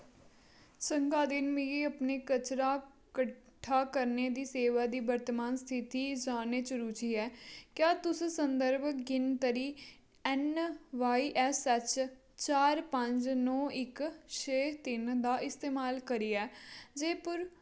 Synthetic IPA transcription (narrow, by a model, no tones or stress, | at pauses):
t͡ʃəŋɡaːd̪ɪnmĩeːəpneːkət͡ʃɾaː | kə | ʈʰːaːkəɾneːd̪iːseːʋaːd̪iːbəɾt̪əmaːnst̪ʰɪt̪iːd͡ʒaːneːt͡ʃəɾuːt͡ʃiːɛːkjaːt̪ʊssənd̪əɾbɡɪnt̪əɾiː | ɛnʋaːiːʔɛsɛt͡ʃ | t͡ʃaːɾpəɲd͡ʒnɔːʔɪkt͡ʃʰeːt̪ɪnd̪aːʔɪst̪eːmaːlkəɾiːɛːd͡ʒeːpʊɾ